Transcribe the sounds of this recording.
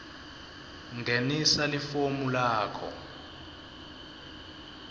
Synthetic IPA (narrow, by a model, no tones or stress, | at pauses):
ŋɡʱenisalifomulaːkʰɔ̰